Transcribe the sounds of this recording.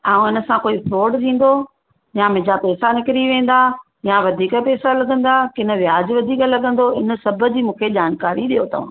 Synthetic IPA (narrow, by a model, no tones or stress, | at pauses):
aːũɪnə̆sãkoːifɾoːɖt̪ʰĩːn̆d̪o | jãmɪ̃d͡ʑapɛːsanɪkɪɾiʋẽːn̆d̪a | jãʋɐd̪ʱiːkəpɛːsalɐɠə̃nd̪akɪnə̆ʋɪjaːd͡ʑʋɐd̪ʱiːkəlɐɠə̃nd̪oɪnə̆sɐbʱə̆d͡ʑiːmũːkʰeʄaːnkaːɾiɗijot̪ʰɐṵ̃ː